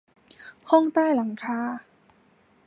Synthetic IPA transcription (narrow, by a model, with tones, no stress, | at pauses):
hɔ˥˩ŋt̪aː˥˩jla˩˦ŋkʰaː˧˥